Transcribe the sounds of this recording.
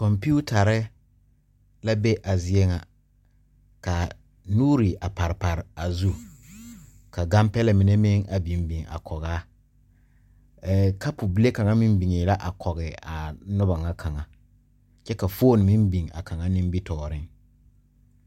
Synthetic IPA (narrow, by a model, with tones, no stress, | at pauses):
kɔ˨mpu˦ta˨ɾɪ˦ | la˦be˦ʔa˨zɪ˦e˦ŋa˨ | ka˨ | nuː˦ɾi˨ʔa˨pa˨ɾɪ˨pa˨ɾɪ˨a˨zu˦ | ka˨ɡa˦mpɛ˦lɛ˨mɪ˨ne˦mɪ˦ŋa˨bi˨m˦bi˨ŋa̰˨kʰɔ˨ɣaː˦ | kʰa˦pʊ˨bi˦le˦ka˨ŋa˦mi˦mbi˨ŋe˨la˦ʔa˨kʰɔ˨ɣɪ˨a˨nʊ˦ba˨ŋa˦kʰa˨ŋa˨ | t͡ʃɛ˦ka˨foː˦˨n˨mi˦mbi˨ŋa̰˨ka˨ŋa˦nĩ˦m˦bi˦tɔː˨ɾɪ˦ŋ